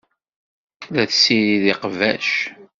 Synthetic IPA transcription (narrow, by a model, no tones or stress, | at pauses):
ðæθsiɾiðiqvæ̰ʃ